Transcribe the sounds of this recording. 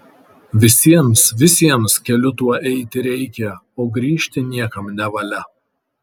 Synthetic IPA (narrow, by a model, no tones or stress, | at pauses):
ʋʲɪsʲiɛmsʋʲɪsʲiɛmskʲɛlʲʊt̪uɔʔɛɪt̪ʲɪɾʲɛɪkʲɛ | oːɡɾʲiːʃʲt̪ʲɪnʲiɛkɐmnʲɛʋɐlʲɛ